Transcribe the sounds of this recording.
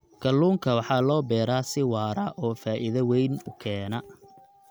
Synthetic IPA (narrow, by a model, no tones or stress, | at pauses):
kʰɐluːŋkʰɐwɑħɑːlɔːbɛːɾaːsɪwɑːɾɐʔɔːfaːʔɪðɐwɛjnʊkʰɛːnɐ